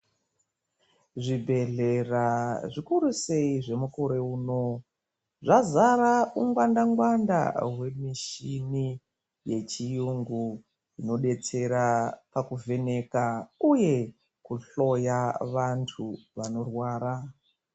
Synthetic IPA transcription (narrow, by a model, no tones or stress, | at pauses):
ʐibʱe̞ɮe̞raʐikuɾuse̞iʐe̞mukoɾe̞uːno | ʐazaɾauŋɡwandaŋɡwanda̰ɦwe̞miʃini | jet͡ʃijuŋɡu | ino̞ɗe̞t͡se̞ɾapakuve̞ne̞kauje̞ | kuɬo̞jaʋantʰuʋano̞rwaːɾa